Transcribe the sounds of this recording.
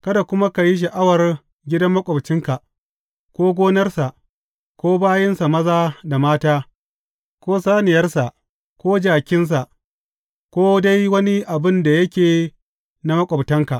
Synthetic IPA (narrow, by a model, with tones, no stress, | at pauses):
kɐ˦da˨kʷʊ˦ma˦ka˨ji˦ʃ̬ɐ˨ʔa˦wɐ˨r | ɡʲɪ˦dɐ˦mːɐ˦kʷʼɔ˨bt͡ʃɪ˦ŋka˨ | kʷoː˦ɡʷoː˦nɐ˦rsa˨ʔ | kʷoː˦baː˦jɐ˦nsa˨mɐ˦zaː˦da˨maː˦taː˦ | kʷoː˦saː˦nɪ˨jɐ˦rsa˨ʔ | kʷoː˦d͡ʒaː˨kʲɪ˦ns̬a˨ʔ | kʷoː˦da˦jwɐ˦ni˦ʔa˨bɪ˦nda˨jɐ˦kʲeː˨ | na˦mɐ˦kʷʼɔ˨btɐ˦ŋka˨ʔ